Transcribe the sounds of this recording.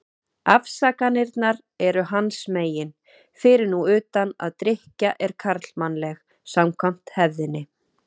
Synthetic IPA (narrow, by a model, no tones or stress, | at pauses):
afsaːkanɪɾt̪naɾ | ɛɾʏɦansmeːjɪn | fɪɾɪɾnuʏːt̪ana̰ðt̪ɾɪhcaʔɛɾ̥kʰaɾt̪lmanːlɛx | samkʰvam̥t̪hɛvðɪnːɪ